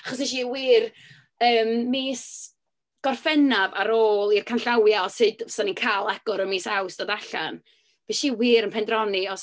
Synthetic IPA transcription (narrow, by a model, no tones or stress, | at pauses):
aχɔsnɛʃ̬iwiːr | əːmːiːs | ɡ̥ɔrfɛnava̰ɾoːlˠirkʰanɬawjaɔsɨd̥sanikʰaːlˠaɡ̥ʊɾənmiːsawsd̥adaɬa̰n | v̥iʃiwiːɾənpʰɛndrɔniɔs